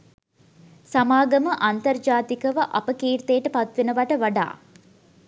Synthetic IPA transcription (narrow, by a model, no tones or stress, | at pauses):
samaːɡəməʔant̪ɐrd͡ʒaːt̪ikəʋəʔapəkiːrt̪ejːəʈəpat̪ʋenəʋaʈəʋaɖa̰ː